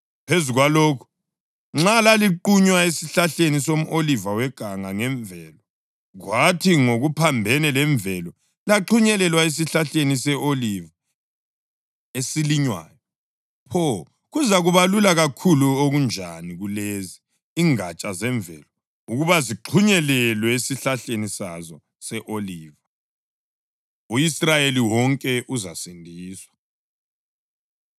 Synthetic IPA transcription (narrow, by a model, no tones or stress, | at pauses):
pʰezuɣwaloːkʰu̥ | ŋ͡ǁalaliǃuɲwaesiɬaɬenisom̩ʔolivawɛɡ̥ʱaŋaŋɛɱvʱɛlɔ | ɣwatʰiŋoɣupʰambʱɛnɛlɛɱvʱɛlɔ | laǃuɲɛlɛlwaes̬iɬaɬenisɛʔoliva | esiliɲwa̰ːjɔ | pʰɔ | ɣuzaɣuβalulaɣakʰuluoɣund͡ʒʱaniɣulezi | iŋat͡ʃʼazɛɱvʱɛ̰lɔ | uɣuβaziǃʰuɲɛlɛlwɛesiɬaɬenisazɔ | sɛʔoliːva | uisrajeliwɔŋkʼɛʔuzasindʱiːswḁ